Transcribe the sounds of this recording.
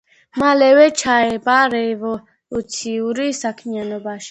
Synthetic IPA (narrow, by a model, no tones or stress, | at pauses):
malɛwɛt͡ʃʰaɛbaɾɛvɔ | ut̪sʰiuɾisakʰmijanɔbaʃi̥